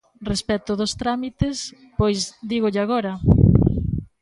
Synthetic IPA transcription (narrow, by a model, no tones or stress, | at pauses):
respɛt̪ʊðost̪ɾamit̪es | pojzd̪iɣoʎɪaɣoɾɐ